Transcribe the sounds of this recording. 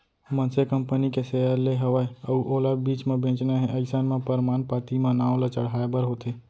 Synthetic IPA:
mə̃nsekəmpənikesejaɾleɦəʋaeəuʔoːlabiːt͡ʃmãbʱẽːt͡ʃnaɦɛ̃ʔəɪsanmãpəɾmaːnpat̪imãnaːʋlat͡ʃəɽɦaːebəɾɦot̪ʰe

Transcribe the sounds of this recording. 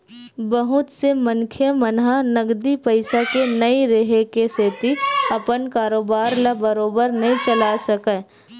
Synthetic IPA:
bɐɦʊt̪semə̃ŋkʰjəmənɦanɐɡd̪ipəɪsakenɐiɾeɦekeseːt̪iɐpənkaːɾoːbaːɾlabəɾoːbəɾnɐɦĩt͡ʃəlasɐkẽː

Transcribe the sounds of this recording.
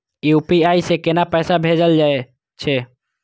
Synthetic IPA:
jupiaisekenapɛːsabʱed͡ʒəld͡ʒae | t͡ʃʰe

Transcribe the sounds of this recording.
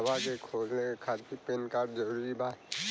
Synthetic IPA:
bakekʰoːd͡ʒnekekʰaːt̪ipenkaːɾʈ̚d͡ʒəɾuːuɾiba

